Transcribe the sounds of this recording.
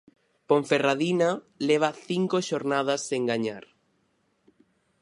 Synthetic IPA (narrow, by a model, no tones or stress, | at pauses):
poɱferaðina | leβ̞aθiŋkoʃoɾnað̞asːeŋɡaɲaɾ